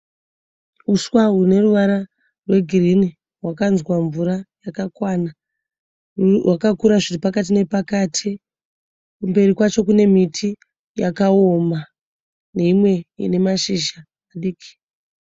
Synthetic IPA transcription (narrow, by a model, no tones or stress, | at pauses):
uswaɦune̞ruʋaɾa | rwe̞ɡʱirini | ɦwakanzwaɱvuɾajakakwana | wakakuɾaʐitipakat̬ine̞pakaːtʰi | kumbe̞rikwat͡ʃo̞kune̞mitʰi | jakaoma | ne̞imwe̞jḭne̞maʃiʒaː | ɗiːki̥